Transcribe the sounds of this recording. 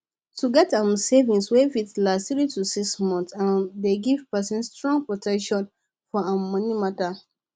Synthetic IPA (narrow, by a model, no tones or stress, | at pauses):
tuɡɛtãmsevĩŋswefitlastθɹitusiksmɔ̃nsãndeɡiv̥pɛsĩnstɹɔ̃ŋɡ̚pɹɔtɛkʃɔ̃n | fɔãmɔnimata